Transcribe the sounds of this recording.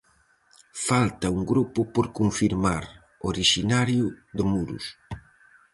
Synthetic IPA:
falt̪auŋɡɾupʊpoɾkuɱfiɾmaɾ | oɾiʃinaɾjʊðɪmuɾṵs

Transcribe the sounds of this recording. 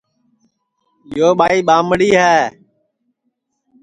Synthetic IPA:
jɪjoːɓaːiːɓaːmɽiːɦɛː

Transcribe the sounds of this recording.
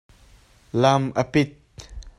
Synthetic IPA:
lamapit̪̚

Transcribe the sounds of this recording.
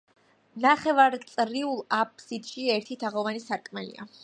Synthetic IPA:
naχɛvaɾt̪sʼɾiulˠap̚ʰsid̪ʃiɛɾt̪ʰit̪ʰaʁɔvanisaɾkʼmɛlḭa̰

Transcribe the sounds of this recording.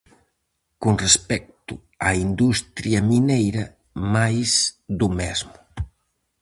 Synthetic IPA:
konrespɛk̚t̪ʊ | aind̪ust̪ɾjɐminejɾɐ | majsðumɛzmʊ

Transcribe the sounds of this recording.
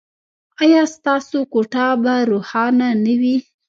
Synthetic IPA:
ɑjɑst̪ɑsokoʈɑbaɾohɑnanawi

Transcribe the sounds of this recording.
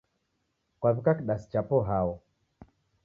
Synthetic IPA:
kwaβikakiɗasi̥t͡ʃapɔɦaɔ

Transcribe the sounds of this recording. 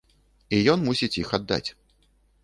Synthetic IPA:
ijɔnmusʲit͡sʲixad̪ːa̰t͡sʲ

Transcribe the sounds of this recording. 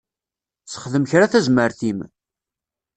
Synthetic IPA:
t͡sːə̥χðəmçɾaθæzməɾθim

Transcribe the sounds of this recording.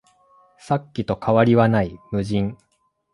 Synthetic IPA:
sakʲːit̪o̞kʰaβaɾʲiβanaimɯ̟ʑĩŋ

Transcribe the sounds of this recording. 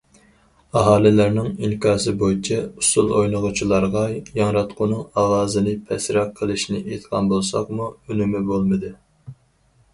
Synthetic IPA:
ɑɦɑːlˠɪlæɾnɪŋiŋkʰɑːsɨbojit͡ʃʰɛusulˠojnəʁʊt͡ʃʰilˠɑɾʁɑjɑŋɾɑt̪qʰʊnɨŋɑʁɑːzɨnɨpʰɛsɾɑqʰːəlˠɨʃnɪʔet̪ʰqʰɑ̰nbolˠsɑ̰qmuynymɪbolˠmɨd̪ɨ

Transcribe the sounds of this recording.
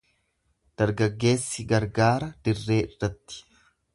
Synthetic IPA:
d̪̥ɐɾɡɐɡːe̞ːsːɪɡɐɾɡaːɾɐd̪̥ɪrːe̞ːɪrːɐt̪ːɪ̥

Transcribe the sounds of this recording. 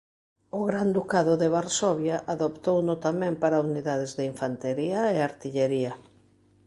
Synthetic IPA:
ʊɣɾand̪ukaðʊðeβaɾsɔβjaʔaðopt̪ownʊt̪amɛ̃mpaɾauniðaðɪzðeiɱfant̪eɾiaeaɾt̪iʎeɾiɐ

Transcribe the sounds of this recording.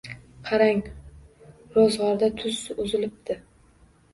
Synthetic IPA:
qʰɑɾaŋ | ɾɒzʁɑɾd̪at̪ʰʊzʊzɪlɪp̚d̪̥ɪ

